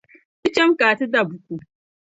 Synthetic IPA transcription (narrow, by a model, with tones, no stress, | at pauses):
si˦t͡ʃɛ˦mkaː˨tu˦da˨bʊ˦kʷu˨